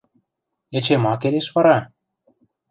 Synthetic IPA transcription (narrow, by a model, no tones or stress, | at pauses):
et͡ɕemɑkeleʃβɑɾɑ